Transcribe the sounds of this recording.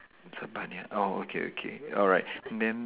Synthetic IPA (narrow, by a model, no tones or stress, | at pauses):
sabanjaʔoo̰kʰḛo̰kʰḛɔlˠɹaɪt̚nd̪ɛ̃n